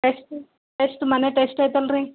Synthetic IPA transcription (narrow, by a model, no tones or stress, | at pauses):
ʈesʈ | ʈesʈmaneʈesʈet̪ɐlɾĩ